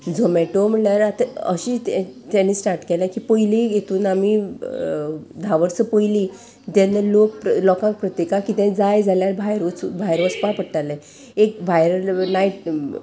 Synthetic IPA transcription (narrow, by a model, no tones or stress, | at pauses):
d͡zomɛʈom̤əɭaɾat̪aə̰ɕit̪t̪janːisʈaɾʈkelãkiːpəjliɡet̪uːnami | d̪ʱaʋəɾt͡səpəjli | t̪ãnːəlok̚plɔkãŋk̚pɾət̪jekãkit̪ɛ̃d͡zajd͡zaljaɾbʱajɾt͡sbʱajɾʋəspapəɽʈalẽ | ek̚bʱajɾnajʈ̚